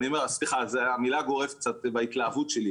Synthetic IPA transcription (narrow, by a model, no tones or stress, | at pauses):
niomeʁasliχazeamilaɡo̞ʁevk̚t͡sat̪bait̪laːvut̪ʃeli